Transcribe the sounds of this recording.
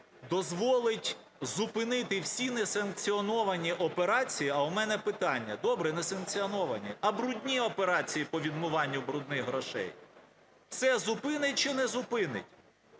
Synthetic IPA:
d̪ɔzʋɔlˠɪtʲ | zʊpɪnɪt̪ɪwsʲinesɐnk̚t͡sʲiɔnɔʋɐnʲiʔɔpeɾɑt͡sʲijiɐʊmɛnɛpɪt̪ɑnʲːɐ̰d̪ɔbɾɛnɛsɐnk̚t͡sʲiɔnɔʋɐnʲiɐbɾudʲnʲiɔpeɾɑt͡sʲijipɔʋʲid̪mʊʋɑnʲːʊbɾud̪nɪxɦɾɔʃɛ̰j | w̥sɛzʊpɪnɪt̚ʲt͡ʃɪnɛzʊpɪnɪ̰tʲ

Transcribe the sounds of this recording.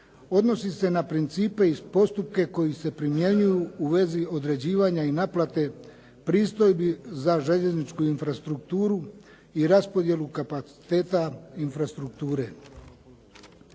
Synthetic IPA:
o̞d̪no̞sise̞napɾint̪siːpe̞ispo̞st̪upke̞ko̞jise̞pɾimje̞ɲujuuʋe̞zio̞d̪ɾe̞d͡ʑiːʋaɲainaːplat̪e̞ | pɾiːst̪o̞jbizaʒe̞ʎe̞znit͡ʃkuinfɾast̪ɾukt̪uːɾu | iɾaspo̞d̪je̞lukapat̪si̥t̪e̞ːt̪ainfɾast̪ɾuk̚t̪uːɾe̞

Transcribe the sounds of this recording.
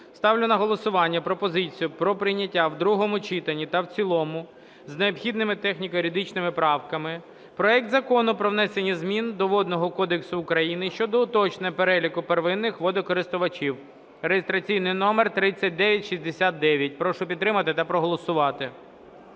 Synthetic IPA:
st̪ɑwlʲʊnɐɦɔlˠɔsʊʋɑnʲːɐpɾɔpɔzɪt͡sʲijʊpɾɔpɾɪjnʲɐtʲːawd̪ɾuɦɔmʊt͡ʃit̪ɐnʲit̪ɐwt͡sʲilˠɔmʊ | zneɔpxʲid̪nɪmɪt̪ɛxnʲikɔɾʲid̪ɪt͡ʃnɪmɪpɾɑwkɐmɪ | pɾɔɛk̚t̪zɐkɔnʊpɾɔʋnɛsenʲːɐzmʲind̪ɔʋɔd̪nɔɦɔkɔd̪eksʊːkɾɐjinɪʃt͡ʃɔd̪ɔʊt̪ɔt͡ʃnɛpeɾɛlʲikʊperʋɪnːɪxʋɔd̪ɔkɔɾɪst̪ʊʋɐt͡ʃiw | rejest̪ɾɐt͡sʲijnɪjnɔmert̪ɾɪt͡sʲːɐt̚ʲd̪ɛʋʲjɐtʲʃizʲd̪esʲat̪̚d̪ɛʋʲjɐt̚ʲpɾɔʃʊpʲid̪t̪ːɾɪmɐt̪ɪt̪ɐpɾɔɦɔlˠɔsʊʋɑt̪ɪ

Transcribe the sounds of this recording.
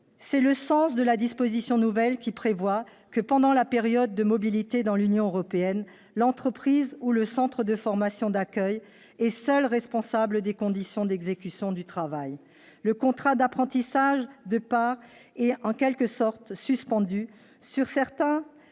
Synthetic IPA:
sɛləsɑ̃sd̪əlad̪ispozisjɔ̃nuvɛlkʲipχevwa | kəpɑ̃d̪ɑ̃lapeʁjɔd̪ːəmɔbilit̪ed̪ɑ̃lynjɔ̃øʁɔpeɛn | lɑ̃t̪χəpχizuləsɑ̃t̪χəd̪əfɔʁmasjɔ̃d̪akʲœj | ɛsœlʁɛspɔ̃sabləd̪ekɔ̃d̪isjɔ̃d̪ɛɡzekʲysjɔ̃d̪yt̪χavaj | ləkɔ̃t̪χad̪apχɑ̃t̪isaʒd̪əpaʁ | ɛɑ̃kʲɛlkəsɔʁt̪syspɑ̃d̪y | syʁsɛʁt̪ɛ̃

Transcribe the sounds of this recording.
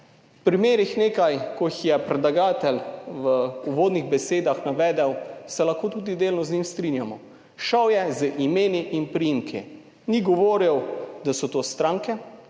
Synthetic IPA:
wpɾimeːɾixneːkajkɔjixjɛpɾɛd̪laɡaːt̪ɛlʋəuʋoːd̪niɣbɛseːd̪axnaʋɛːd̪ɛwsɛlɐxkoːt̪uːd̪id̪eːlnɔznʲimst̪ɾinjamɔ | ʃawjɛzəʔimeːniʔinpɾiiːmkʰḭ | niɡɔʋoːɾiwd̪asɔt̪oːst̪ɾaːŋkɛ

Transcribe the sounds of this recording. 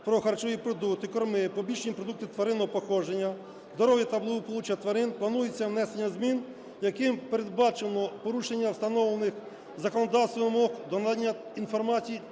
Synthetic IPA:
pɾɔxɐrt͡ʃɔʋʲipɾɔd̪ukt̪ɪkɔrmɪpɔbʲiʃenʲipɾɔd̪uk̚t̪ɪt̪ʋɐɾɪnɔɔpɔxɔd͡ʒenʲːɐ | zd̪ɔɾɔʋjit̪ɐblˠɪʋɔpɔlˠut͡ʃiɐt̪ʋɐɾɪnplˠɐnujet͡sʲːɐwnɛsenʲːɐzmʲin | jɐkɪmpeɾed̪bɑt͡ʃenˠɔpɔɾuʃenʲːɐwst̪ɐnɔʋlˠenɪx | zɐkɔnɔd̪ɑwst̪ʋʋmɔkd̪ɔnd̪anʲːɐinfɔrmɑt͡sʲiji

